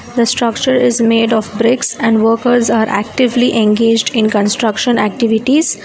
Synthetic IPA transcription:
d̪əsʈɾʌkt͡ʃəɾɪzmeːɖɔːfbɾɪksɛ̃ɳɖʋəɾkəɾzaːɾʔæ̰k̚ʈɪʋliʔẽnɡeːd͡ʒɖɪ̃nkə̃nsʈɾʌkʃə̃næ̰k̚ʈɪʋɪʈiz̥

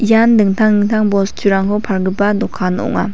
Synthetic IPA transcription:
jand̪ɯŋt̪ʰaŋnɯŋt̪ʰaŋbɔst͡ʃʰuɾaŋkʰopʰaɾɡɯbadɔkʰːanɔ̰ŋa̰

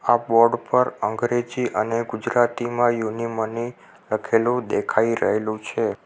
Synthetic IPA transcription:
abɔɾɖpəɾəŋɡɾed͡ʒiʔəneɡud͡ʒɾat̪imãjuniməni | ləkʰelũd̪ekʰaiɾə̰ɦelũt͡ʃʰe

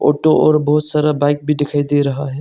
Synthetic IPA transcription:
o̰ːʈoʔɔ̰ːɾbəɦʊt̪saːɾabaɪk̚bʱiɖɪkʰaːjd̪eɾɐɦaɦɛ

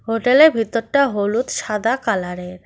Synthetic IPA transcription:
ɦoʈeleɾbʱit̪ːoɾʈaɦolut̪ʃad̪akalaɾeɾ

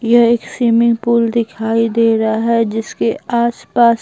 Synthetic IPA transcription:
jɐɦeːksiːmɪ̃ŋɡpuːld̪ɪkʰaːid̪eːɾɐaɦɛd͡ʒɪskeaːspaːs

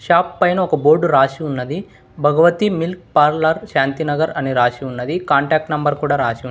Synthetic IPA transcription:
ʃaːpːɐjnɐɔkɐboːɾɖɾaːʃiunːɐd̪i | bʱɐɡɐʋɐt̪imilk̚paːɾlɐɾʃaːnt̪inɐɡɐɾɐniɾaːʃiunːɐd̪ikaːɳʈaːk̚ʈnɐmbɐɾkuːɽaːɾaːʃiu

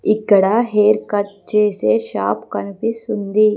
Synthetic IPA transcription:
ikːɐɽɐɦeːɾkɐʈ̚t͡ʃeːseːʃaːpkɐnipisund̪i

